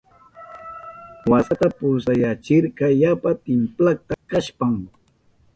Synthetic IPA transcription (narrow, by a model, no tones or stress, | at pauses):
wasat̪apʊsajat͡ʃɪɾkɑjapat̪ɪmplak̚t̪akaʃpaŋ